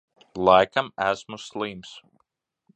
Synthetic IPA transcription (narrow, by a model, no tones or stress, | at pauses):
lˠajkamæsmuslˠiːms